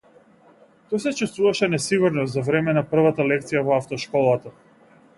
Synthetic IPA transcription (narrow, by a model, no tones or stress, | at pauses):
t̪ɔjsɛt͡ʃɛst̪vuvaʃɛnɛsiɡuɾnɔzavɾɛmɛnapr̩vat̪alɛk̚t̪sijavɔaft̪ɔʃkɔlˠat̪a